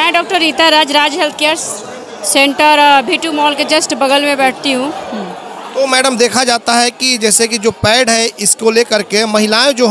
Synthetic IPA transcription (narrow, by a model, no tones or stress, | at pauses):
mɛ̃ɖɔːk̚ʈəɾːiːt̪aɾaːd͡ʒɾaːd͡ʒɦɛlt̪̚ʰkijaːɾs | sẽɳʈəɾbʱiːʈumɔːlked͡ʒɐsʈbɐɡəlmẽbɛːʈ̚ʰt̪iɦũː | t̪omɛːɖəmd̪eːkʰad͡ʒaːt̪aɦɛkid͡ʒɛːsekid͡ʒoːpɛːɽɦɛɪskoleːkɐɾkemɐɦɪlaːẽd͡ʒoː